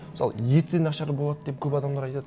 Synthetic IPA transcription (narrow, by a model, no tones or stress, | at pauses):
ɪsɑ̰lˠə̰jet̪ɪd̪enɑʃɑɾbolˠɑd̪əd̪e̞p̚kʲʰɵpɑd̪ɑmd̪ɑɾɑjt̪ɑd̪ə